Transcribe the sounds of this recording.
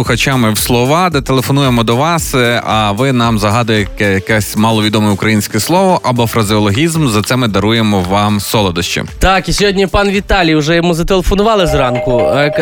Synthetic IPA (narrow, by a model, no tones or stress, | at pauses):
ʊxɐt͡ʃamɪwslˠɔʋɑd̪ɛt̪elˠefɔnujemɔd̪ɔʋɑsɐʋɪnɑmzɐɦɑd̪ʊjekɛjɐkɛsʲmɑlˠɔʋʲid̪ɔmɛʊkɾɐjinʲsʲkɛslˠɔʋɔʔɐbɔfɾɐzʲiɔlˠɔɦʲizmzɐt̪sɛmɪd̪ɐɾujemɔʋɑmsɔlˠɔd̪ɔʃt͡ʃɪ̰t̪ɑkisʲɔɦɔdʲnʲipɑnʋʲit̪ɑlʲijwʒɛjɔmuzɐt̪elˠefɔnʊʋɑlˠɪzrɑnkʊ